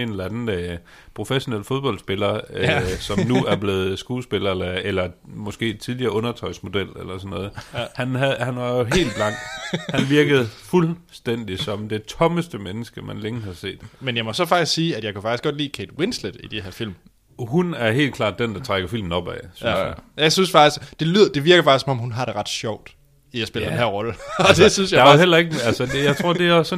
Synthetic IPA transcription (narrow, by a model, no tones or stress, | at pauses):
e̝nlænn̩ø | pʰʁo̝feɕo̝nel̰fo̝ð̞ˠb̥ɒ̽ldsb̥e̝lɐ | sɒ̽nuæɐb̥le̝ːð̩ˠsɡ̥uːsb̥e̝lɐlæelɐmɒ̽sɡ̥e̝̰ːt͡sʰið̞ˠliɐːɔ̽nɐt͡sʰɒ̽ɪsmo̝d̥el̰elɐsɒ̽nːɔ̽ːð̩ˠhænɦæhænʋɑ̈jo̝ɦe̝̰ːldb̥lɑ̈ŋ̰ɡ̥hænʋiɐɡ̥əð̩ˠfulsd̥en̰d̥isɒ̽md̥e̝t͡sʰɒ̽məsd̥əmenəsɡ̥əmænleŋɦɑ̈se̝̰ːd̥menjɑ̈ɪmɒsɒ̽fɑ̈ɡ̥d̥isɡ̥siːæd̥jɑ̈ɪkufɑ̈ɡ̥isɡ̥ɒ̽d̥lḭːkʰed̥wensled̥id̥e̝heɐfil̰m | ɦunæɐɦe̝̰ːlkʰlɑ̰̈ːd̥̚ːend̥ɑt͡sʰʁaɡ̥ɐfil̰mn̩ɒ̽b̥ɛ̰ɪsynsjɑ̈ɪsynsfɑ̈ɡ̥d̥isd̥e̝lyðˠɐd̥e̝ʋiɐɡ̥ɐfɑɡ̥isɒ̽mɒ̽mhunɦɑ̈ɾ̥e̝ʁɑ̈d̥ɕɒʊ̰d̥ | ijaspe̝lɐdenenɦæɐ̰ʁɒ̽ləɒd̥e̝synsjaɑɦel̰ɐe̝ɡ̥əælsədejɑɪt͡sʰʁo̝ɐ̰d̥e̝æsɒ